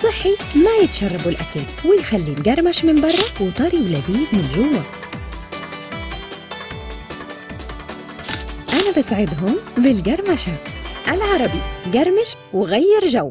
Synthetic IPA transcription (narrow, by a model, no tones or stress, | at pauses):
sˤɨħːimæjɪt̪ʃɑrˤːɑbulʔækalwɪjxælːiːmɡɑɾˤmaʃmɪnbɑrˤːɑwɪt̪ˤɑɾiwlæb̪iːd̪mɪnɡʊwːæ | ʔænæbɪsˤʕɪd̪ˤɦʊmbɪlɡɑɾˤmaʃaʔalʕɑɾˤɑbiɡɑɾˤmɪʃ | wɪɣajːɑɾˤʒawːa